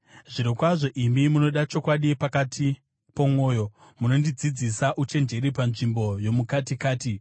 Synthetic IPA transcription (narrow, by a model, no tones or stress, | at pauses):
ʐiɾikwaʐo̞ʔimimuno̞ɗat͡ʃo̞kwaɗipakatʰi | pomwo̞ːjo̞ | muno̞ndid͡zid͡zisaʔut͡ʃe̞nd͡ʒe̞ɾipanʐimbo̞jo̞mukatikaːti